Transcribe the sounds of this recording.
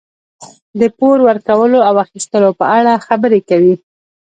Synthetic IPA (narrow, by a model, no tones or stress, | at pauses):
d̪əpoɾwəɾkawəloawaxist̪əlopəaɽaxabəɾekawi